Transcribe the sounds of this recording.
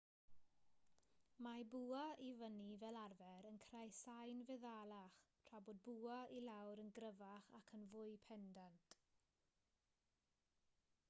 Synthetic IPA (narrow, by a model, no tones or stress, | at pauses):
mabuːaivənivɛlˠarvɛɾənkʰrajsajnvɛðalˠaχtʰrabɔd̚buailawɾənɡɾəvaχakʰənvʊjpʰɛndantʰʼ